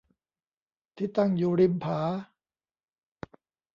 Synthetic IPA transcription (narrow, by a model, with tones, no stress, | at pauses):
t̪ʰi˦˥˩t̪a˧˩ŋjuː˨ɾi˧mpʰaː˩˦